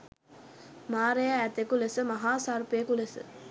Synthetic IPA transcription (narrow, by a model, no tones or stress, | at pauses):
maːɾejaːt̪ekulesɨmɐɦaːsaːɾpjekulesɨ̰